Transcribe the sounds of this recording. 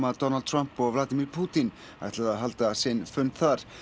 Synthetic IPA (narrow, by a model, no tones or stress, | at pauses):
mad̪ɔnald̪̚tʰr̥ampɔvlˠad̪ɪmirpʰuːt̪ʰɪn | aɣɛt̪ʰlaðaɦalt̪asɪnfʏnθaɾ